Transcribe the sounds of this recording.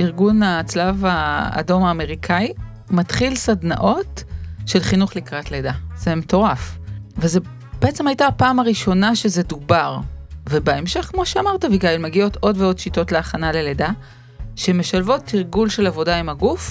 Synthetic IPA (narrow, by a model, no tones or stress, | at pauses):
iʁɡunat͡slava̰ːdo̞maːme̞ʁikʰai | mat̪χilsadna̰ʔo̞tʃe̞lχinuχlikʁatledaz̥emeto̞ʁafveze | b̥eet͡se̞majtapaːmaʁiʃo̞naʃezedubaʁve̞baemʃe̞χkmo̞ʃeamaʁtaviɡaelmeɡio̞to̞dveo̞dʃito̞tle̞aχanale̞leda | ʃeme̞ʃalvo̞tʰːiʁɡulʃe̞lavo̞daimhaɡuf